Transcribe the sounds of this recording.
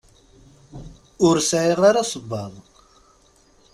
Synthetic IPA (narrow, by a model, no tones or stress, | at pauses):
ʊɾsʕeʁaɾasˤəbːɑðˤ